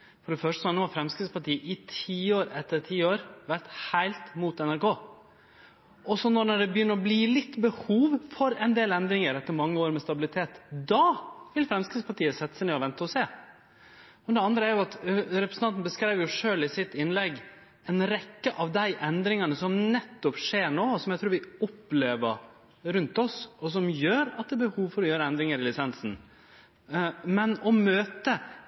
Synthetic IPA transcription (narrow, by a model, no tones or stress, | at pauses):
fɔɖɛfœʂʈəsɔhɑnuːhɑfɾɛmskɾɪspɑʈiːəʔɪt̪ʰiːoːɾɛt̪ːəɾʈʰiːoːɾʋæɾt̪hæɪlt̪muːt̪ɛnæɾkoː | ɔsɔnɔnɔɖɛbəjʏnːəɾɔbliːlɪt̪ːbəhuːʋfɔɾɛɪnd̪eːlɛnd̪ɾɪŋəɾɛt̪ːəɾmɑŋːəoːɾmɛst̪ɑbɪlɪt̪ʰeːt̪d̪ɑʋɪlfɾɛmskɾɪspɑʈiːəsɛt̪ːə̥sæneːɔʋɛnt̪əɔseː | ɔd̪ɛɑnd̪ɾəæɾjʊɑt̪ɾɛpɾəsn̩ɑnt̪n̩bəskɾæɪʋjʊʂøːlɪsɪt̪ɪnlɛɡ | ɛnɾɛkːəʔɑʋd̪æɪʔɛnd̪ɾɪŋɑnəsɔmnɛt̪ːɔpʂeːɳoːsɔmjæɪt̪ʰɾʉːɾʋɪɔpːleːʋəɾ | ɾʉnt̪ɔsɔsɔmjøːɾɑt̪̚d̪ɛːbəhuːʋfɔɾɔjøːɾəɛnd̪ɾɪŋəɾɪlɪsɛnsn̩ | mɛnɔmøːt̪ə